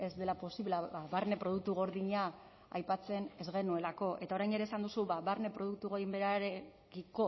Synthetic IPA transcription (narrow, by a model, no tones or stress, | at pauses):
e̞zd̪e̞lapo̞siβlaaβaɾne̞pɾo̞ð̞uk̚t̪uɣ̞o̞ɾðiɲa | ajpat͡se̞ne̞zɣe̞nue̞lako̞ʔe̞t̪ao̞ɾajne̞ɾesand̪usuβaβaɾne̞pɾo̞ð̞uk̚t̪uɣojimbeɾaɾe | kiko̞